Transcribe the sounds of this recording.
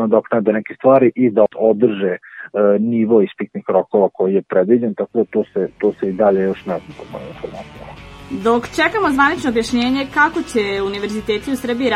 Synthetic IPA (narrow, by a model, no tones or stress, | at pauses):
od̪aknɛd̪enɛkest̪ʋaːɾiʔid̪aod̪r̩ʒeniʋoispikt̪nixɾokoʋakojijepɾed̪ʋid͡ʑent̪ako̞d̪at̪oːset̪oːseid̪aʎejoʃnɛt̪apomo̰infoɾmat̪id̪o̞kt͡ʃekamo̞zʋanit͡ʃnoːbjaʃɲe̞ːɲekako̞t͡ɕeuniʋe̞ɾzit̪eːt̪iusr̩biiɾ